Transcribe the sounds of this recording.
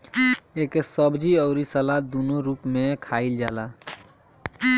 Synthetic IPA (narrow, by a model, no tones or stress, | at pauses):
eːkesəbd͡ʒiɔʊɾisəlad̪uːnoɾuːpmẽkʰaːɪld͡ʒa̰ːla